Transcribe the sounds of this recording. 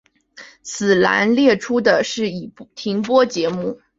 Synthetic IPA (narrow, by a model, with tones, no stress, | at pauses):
t͡sʰɹ̩˨˩la̰˧˥nljɛ˥˩ʈ͡ʂʰu˥d̪ə˨ʂɻ̩˥˩i˨˩t̪ʰi˧˥ŋpwɔ˥t͡ɕjɛ˧˥mu˥˩